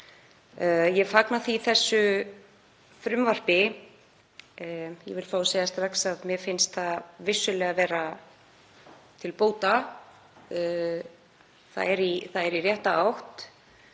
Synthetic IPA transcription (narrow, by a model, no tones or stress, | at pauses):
jɛfaknaθiθɛsːʏ | fɾʏmvar̥pɪ | jɛ̰vɪlfaːwsejast̪ɾaksaðmjɛfɪnst̪θavɪsːʏlɛɣavɛːɾa | t̪ʰɪlpoːwt̪a | θa̰ðɛɾiθaðɛɾirjɛht̪aawht̪